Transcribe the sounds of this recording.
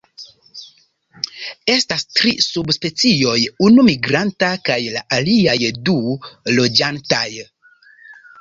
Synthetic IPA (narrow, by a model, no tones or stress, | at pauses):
e̞stastɾisubspe̞t͡sio̞junumiɡɾantakajla̰ʔaliajdulo̞d͡ʒantaj